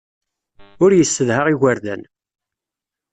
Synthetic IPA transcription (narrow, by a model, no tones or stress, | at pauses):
ʊɾjəsːəðhaʁiɣaɾðæ̰n